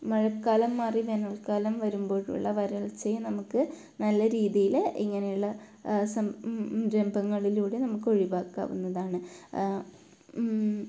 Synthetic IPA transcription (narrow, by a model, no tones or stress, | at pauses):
mɐɻɐkːaːlɐmːaːriʋenɐɭkaːlɐmʋɐɾumbo̞ːɻṵɭːɐʋɐɾɐɭt͡ɕːɐjnɐmukːɨ | nɐlːɐɾiːðijilḭŋːɐnejuɭːɐ | sɐmɾe̞mbʱɐŋːɐɭiluːɽe̞nɐmukːɨo̞ɻiʋaːkːa̰ːʋunːɐðaːɳɨ